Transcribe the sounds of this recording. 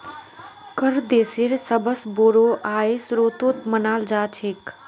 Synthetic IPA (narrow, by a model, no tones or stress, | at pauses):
kəɾd̪eːseɾsəbəsboːɾoːʔaːesɾoːt̪oːt̪mənaːld͡ʒaːt͡ʃʰeːk